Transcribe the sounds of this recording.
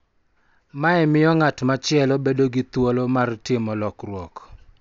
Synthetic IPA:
maɛmɪjɔŋatmat͡ʃɪɛlɔbedoɡit̪wolomartɪmɔlɔkrwɔk

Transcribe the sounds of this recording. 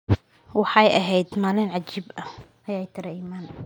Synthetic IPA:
wɑħɑjɐɦɛjd̪maːlɪnʕɑt͡ʃiːbɐ | ʔɐjaːjt̪ʰɪɾɛiːmaːn

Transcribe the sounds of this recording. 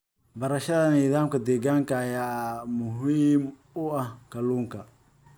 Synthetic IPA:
bɐɾɐʃɐðɐniːðaːmkɐd̪ɛːɣaːŋkʰɐːjaːmʊɦiːm | ʊɐhkʰɐluːŋkʰɐ

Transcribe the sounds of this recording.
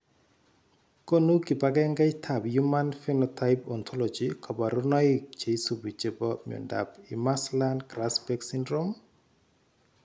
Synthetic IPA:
konukipaɡɛŋɡɛtʰabjumanfenɔtʰaɪpɔnt̪ʰɔlɔd͡ʒikʰɔbaɾunɔikt͡ʃeisubit͡ʃebɔmjɔ̰nda̰pimaslandkɾasbɛksindɾom

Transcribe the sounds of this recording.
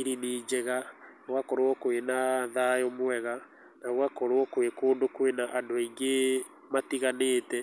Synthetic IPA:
iɾiniːd͡ʒɛɣa | ɣwakɔɾwɔkwenaðajɔmwɛɣa | naɣwakɔɾwɔkoekoːndokwenaʔandoiŋɡe | matiɣaneːtɛ

